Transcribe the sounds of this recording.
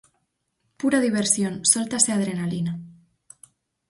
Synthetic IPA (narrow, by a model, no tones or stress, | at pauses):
puɾaðiβ̞eɾsjonsolt̪aseað̞ɾe̞nalina